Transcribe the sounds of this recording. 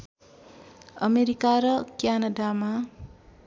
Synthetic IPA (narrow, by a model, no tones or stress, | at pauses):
ʌmeɾikaɾʌkjanʌdama